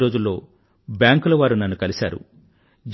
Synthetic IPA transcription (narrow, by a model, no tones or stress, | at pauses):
ɾo̞ːd͡ʒulːo̞ː | bjaːŋkulɐʋaːɾunɐnːukɐlisaːɾṵ | d͡ʒ